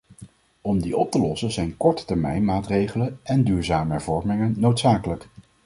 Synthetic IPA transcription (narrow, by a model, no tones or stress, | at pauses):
ɔmdiʔɔp̚təlɔsənzɛjnkɔɹtə̥tɛɹmɛ̰jnmaːtrejχələnɛndyːɹzaːməɦɛɹvɔɹmɪŋənːowtsaːkələk